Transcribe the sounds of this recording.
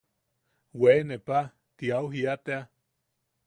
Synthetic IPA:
wenepa | t̪iauɦiat̪ea

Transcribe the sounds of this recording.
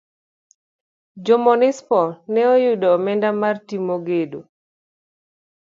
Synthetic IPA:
d͡ʒɔmɔnɪspɔnɛojudɔmɛndamartimoɡedo̰

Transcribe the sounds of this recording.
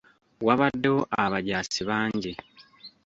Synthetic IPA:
waβadːeoʔaβaɟaːsiβaːɲɟe

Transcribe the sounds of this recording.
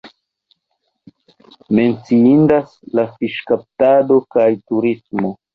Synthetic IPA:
me̞nt͡siindaslafiʃkap̚tado̞kajtuɾismo̞

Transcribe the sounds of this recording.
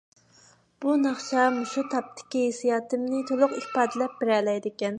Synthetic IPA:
b̥unɑχt͡ʃɑmuʃut̪ʰɑp̚t̪ʰːɪ̥kʲiɦesijɑːt̪ɨmnɪt̪ʰolˠʊqihpɑːd̪ɪlɛp̚b̥ɪɾɛlɛjd̪ɪkʲɛn

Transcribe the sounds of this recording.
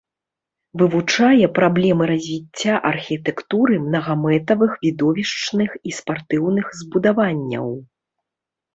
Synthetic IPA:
vɨvut͡ʂajɛpɾablʲɛmɨɾɐzʲvʲit͡st͡sʲːaʔɐrxʲit̪ɛkt̪uɾɨmnɐɣamɛt̪ɐvɨxvʲid̪ɔvʲiʂt͡ʂnɨxispart̪ɨwnɨxzbud̪avanʲːɐ̰w

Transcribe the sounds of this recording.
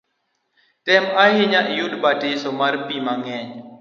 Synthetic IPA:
tɛmaɦiɲaʔjudbatesɔmaɾpimaŋɛɲ

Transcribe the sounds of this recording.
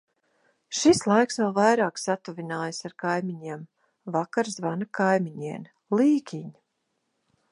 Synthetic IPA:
ʃislˠajksvɛlˠvajɾaːksat̪uvʲinaːjasaɾkajmʲiɲeɛm | vakaɾzvanakajmʲiɲiɛn | lˠiːkʲiɲ

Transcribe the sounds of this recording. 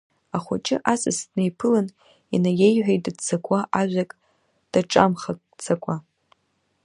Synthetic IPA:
aχʷa̰t͡ʃʼɪ̰ʔasɨsdnejpʰɨlɨn | inaje̞jħʷᶣajttdt͡sʰakʷʰʼaʔaʒᶣʷakʼ | d̥aʈ͡ʂʼa̰mχa | t͡sʰakʷʼa

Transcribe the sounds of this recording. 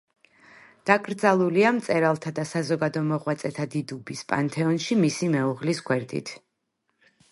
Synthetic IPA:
d̪̥akʼɾd̪zalˠuliamt̪sʼɛɾalˠt̪ʰad̪asazɔɡad̪ɔmɔʁwat̪sʼɛt̪ʰad̪id̪ubispʼa̰nt̪ʰɛɔnʃimisimɛuʁlisɡʰwɛɾd̪ḭt̪ʰ

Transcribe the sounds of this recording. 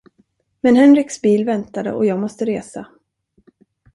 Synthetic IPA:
mɛnɦɛnɾɪksbiːlvɛnt̪ad̪ə̰ʔɔjɑːɡmɔst̪əɾeːsa

